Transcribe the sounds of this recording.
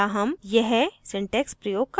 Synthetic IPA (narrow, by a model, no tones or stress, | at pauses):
aɦɐmjɛɦsɪ̃ɳʈeːkspɾɐjoːɡ̚k